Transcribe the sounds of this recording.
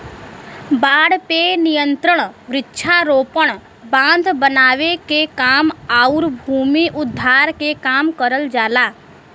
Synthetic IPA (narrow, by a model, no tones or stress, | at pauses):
baːɽpenɪjə̃nt̪ɾəɳ̃ʋɾɪtːʃʰaɾoːpəɳ̃ | bãːnd̪ʱbənaːʋekekaːmaːʊɾbʱuːmiʔʊd̪ʱːaːɾkekaːmkəɾəld͡ʒaːlaː